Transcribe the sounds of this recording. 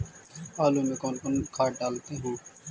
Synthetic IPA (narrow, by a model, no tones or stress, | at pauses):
aːluːmẽːkoːnkʊnkʰaːʈ̚ɖaːlt̪ẽːɦũː